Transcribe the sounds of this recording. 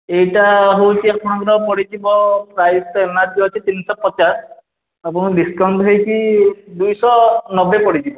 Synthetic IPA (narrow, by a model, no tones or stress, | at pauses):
ejtaɦowtiapʰɔnaŋɾɔpɔɽid͡ʒibɔɹajstɔɛnadiɔat͡ʃʰit̪inisɔpɔt͡ʃas | apunɔdiskawnʈɦejkidujsɔnɔbɛpɔɹid͡ʒibɔ